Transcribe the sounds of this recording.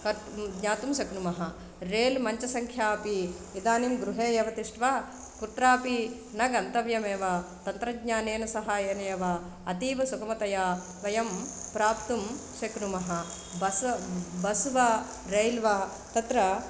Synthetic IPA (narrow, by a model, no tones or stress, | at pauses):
kɐɾ | ɡɲaːt̪umʃɐknumɐɦɐ | ɾeːlmɐɲt͡ʃɐsɐŋkʰjaːpi | id̪aːnimɡɾuɦeːjɐʋɐt̪iʂʈʋa | kut̪ɾaːpi | nɐɡɐnt̪ɐʋjɐmeːʋɐt̪ɐnt̪ɾɐɡɲaːneːnɐsɐɦaːjeːnɐjɐʋɐ | ɐt̪iːʋɐsukɐmɐt̪ɐjaː | ʋɐjɐmpɾaːpt̪um | ʃɐknumɐɦɐ | bɐbɐsʋɐ | ɾeːlʋɐ | t̪ɐt̪ɾɐ